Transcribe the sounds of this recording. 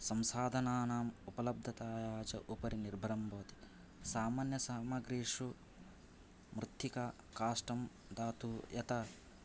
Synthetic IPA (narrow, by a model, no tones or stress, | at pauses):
sɐmsaːd̪ʱɐnaːnaːmupɐlɐb̚d̪ʱɐt̪aːjaːt͡ʃɐʔupɐɾiniɾbʱɐɾɐmboːt̪i̥ | saːmaːnjɐsaːmɐɡɾiːʂu | mɾut̪ːika | kaːʂʈɐm | d̪aːt̪uːjɐt̪ɐ